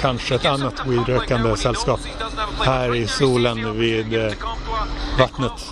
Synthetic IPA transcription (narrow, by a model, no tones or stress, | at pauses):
kʰanʂəɛt̪anːat̪ʰwiːd̪ɾøːkand̪əsɛlːskɑːphæːɾɪsuːlənviːd̪ | vat̪nət̪